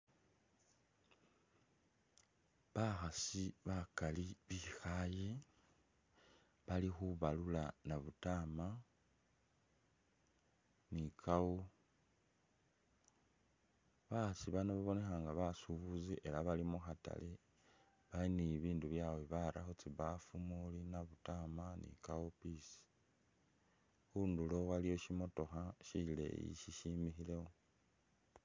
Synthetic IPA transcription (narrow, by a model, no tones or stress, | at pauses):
βaxasiβakaliβixaje | βalixuβalulanaβutaːma | nikʰawu | βasiβanoβaβo̞ne̞xaːŋɡaβasuβuziʔe̞laβalimuxata̰li | βainiβiːnduβjaweβaɾa̰xot͡siβafumulinaβutamanḭkaupisi̥ | xundulo̞walijo̞ʃimo̞to̞xaʃile̞̰jḭʃiʃimixile̞wo